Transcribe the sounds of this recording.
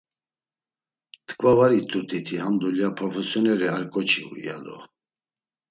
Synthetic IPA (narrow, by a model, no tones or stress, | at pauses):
t̪ʰʼkʼvavaɾit̪ʰʼuɾt̪ʰit̪ʰihamd̪uljapʰɾɔfɛsjɔnɛɾɛaɾkʼɔt͡ʃʰiṵḭja̰lɔ̰